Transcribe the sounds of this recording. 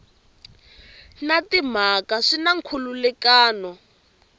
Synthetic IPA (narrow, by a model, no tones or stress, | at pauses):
natim̤akaʂinaŋ̩kʰululɛkaːnɔ